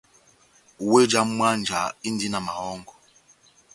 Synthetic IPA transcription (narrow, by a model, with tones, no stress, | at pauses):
we˦d͡ʒa˨m̩˦mʷ˦a˦n̩˨d͡ʒa˨i˦n̩˦di˦na˨ma˨ɦɔ˦ŋ̩˦ɡɔ˨